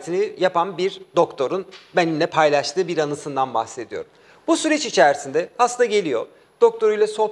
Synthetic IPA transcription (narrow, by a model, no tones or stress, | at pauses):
t̪ʰinijapʰanbiɾd̪o̞kt̪ʰo̞ɾunbænimlʲɛpʰajlˠaʃt̪ɯːbiɾanɯsɯnd̪anbaxse̞d̪ijo̞̰ɾum | busyɾɛt͡ʃit͡ʃʰæɾsind̪ɛhast̪aɟe̞lʲijo̞ | d̪̥o̞k̚t̪ʰo̞ɾujlˠaso̞